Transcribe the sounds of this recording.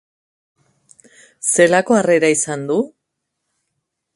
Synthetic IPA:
se̞lako̞are̞ɾaisand̪u

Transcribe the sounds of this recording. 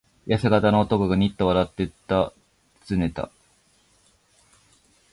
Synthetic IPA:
jaseɡat̪ano̞ːt̪o̞koɡaɲ̟ʲit̪ːoβaɾat̪ːe̞t̪ːa | t͡sɨne̞t̪a̰

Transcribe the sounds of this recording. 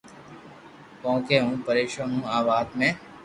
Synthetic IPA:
põːkeːɦũːpəɾeːʃãːnũːaːʋaːd̪mẽː

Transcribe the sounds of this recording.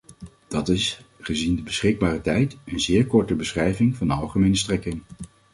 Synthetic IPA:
d̥ɑtɪsχəzindəbəsχɪɡ̚baːrətɛjtənzɪːɹkɔɹtəbəsχrɛjvɪŋvɑndəɑlˠχəmejnəstrɛkɪŋ

